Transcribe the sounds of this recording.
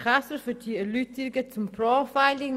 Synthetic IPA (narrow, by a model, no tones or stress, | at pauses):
χasəfydiəlytɪɡət͡sʊmpʰɾɔːfaɪlɪŋ